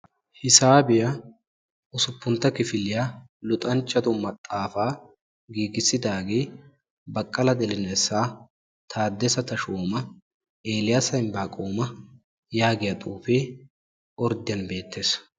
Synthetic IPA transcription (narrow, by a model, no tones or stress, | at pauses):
hɪsaːbɪjɐ | ʊsʊpːʊnt̪ːɐkɪfɪlɪja | lʊt̪ʼɐnt͡ʃːɐt̪ʊmɐt̪ʼːaːfaː | ɡiːɡɪsːɪd̪aːɡeː | bɐkʼːɐlɐd̪ɛlɪnɛsːaː | t̪ʰaːd̪ːɛsɐt̪ɐʃoːmɐ | e̞ːlɪjasɐjnbaːkʼoːmɐ | jaːɡɪjɐt̪ʼuːfeː | ʔɔɾd̪ɪjɐnbe̞ːt̪ːe̞ːs